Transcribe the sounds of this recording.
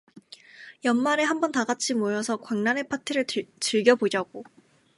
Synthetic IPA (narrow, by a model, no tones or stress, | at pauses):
jʌnmaɾe̞ɦambʌntaɡat͡ɕʰimojʌsʰʌkwaŋnanɦe̞pʰatʰɯɾɯɭt͡ɕɯɭɡjʌbod͡ʑaɡo